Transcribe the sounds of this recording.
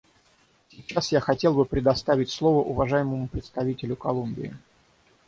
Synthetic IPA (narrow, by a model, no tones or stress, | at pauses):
sʲɪt͡ɕːasjaxɐtʲe̞lˠbɨpɾʲɪd̪ɐst̪avʲɪt̚ʲslˠo̞vəʔʊvɐʐajɪməmʊpɾʲɪt̪st̪ɐvʲitʲɪlʲʊkɐlˠumbʲɪ̰ɪ